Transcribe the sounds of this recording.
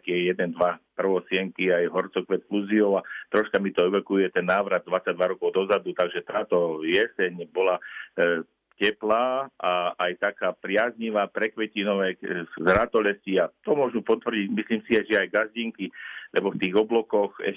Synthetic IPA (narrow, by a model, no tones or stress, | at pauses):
kijɛjɛd̪ɛnd̪ʋapr̩ʋɔsɪɛŋkiajɦɔrt͡sɔkʋɛt̪kluziɔʊat̪ɾɔʃkamit̪ɔɛʋɛkujɛt̪ɛnːaːʋɾad̪̚d̪ʋat͡saɟ̚d̪ʋaɾɔkɔʊd̪ɔzad̪ut̪aɡʒɛt̪aːt̪ɔjɛsɛɲbɔla | cɛplaːaajt̪akaːpɾɪazɲiʋaːpɾɛkʋɛcinɔʋɛːzɾat̪ɔlɛsciat̪ɔmʊɔʒnupɔt̪ʋr̩ɟicmisliːmsiajʒɛajɡazɟiŋkilʔɛbɔft̪iːɣɔblɔkɔxɛ̰